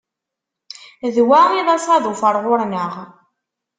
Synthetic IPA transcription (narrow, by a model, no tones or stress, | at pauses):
ðwaʁiðˤɑsˤɑðˤufəɾˤʁʊɾnəʁ